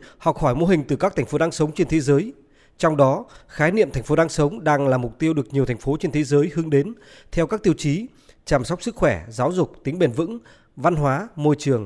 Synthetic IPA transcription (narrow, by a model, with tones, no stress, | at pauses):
hɔ˨˩k͡p̚hɔː˧˩jmo˧ɦï˨˩ŋ̟t̪ɨ˨˩kaː˦˥kt̪ʰa˨˩ŋ̟fo˨˦ɗaː˨˧˦ŋsə˨˦wŋ͡mt͡ɕe˧nt̪ʰe˨˦zəː˨˦j | t͡ɕɔ˧wŋ͡mɗɔ˨˦xaː˨˦jnḭ˧˨əmt̪ʰɛ˨˩jŋ̟fo˨˦ɗaː˨˧˦ŋsə˨˦wŋ͡mɗaː˧ŋlaː˨˩mʊ˨˩k͡p̚t̪i˧əwɗɨ˨˩ək̚ɲi˨˩əwt̪ʰŋ̟fo˨˦t͡ɕe˧nt̪ʰe˨˦zəː˨˦jhɨ˨˦əŋɗe˨˦n | t̪ʰɛ˧wkaː˦˥k̚t̪i˧əwt͡ɕi˨˦ | t͡ɕaː˧˩msɔ˦˥wk͡p̚sɨ˦˥k̚xwɛ˧˩zaː˨˦wzʊ˨˩k͡p̚t̪ï˨˦ŋ̟ɓe˨˧˩nvɨ̰˧˥ŋ | va˧nɦwaː˨˦mo˧jt͡ɕɨ˨˩əŋ